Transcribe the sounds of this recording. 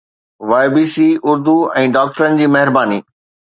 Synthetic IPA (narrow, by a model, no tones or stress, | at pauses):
ʋaːɪbiːsiːʊɾd̪uɛ̃ːɖaːk̚ʈəɾənɪ̆d͡ʑiːmɐɦɪɾbaːniː